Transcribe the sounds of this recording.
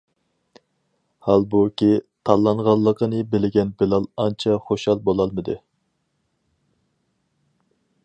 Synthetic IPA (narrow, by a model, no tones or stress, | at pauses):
hɑlˠbukʲit̪ʰɑlˠːɑɴʁɑlˠːəqʰənɨbɪlɪɡʲɛnbɪlɑlˠɑnt͡ʃʰɑχoʃhɑlˠbolˠɑlˠmɨd̪ɨ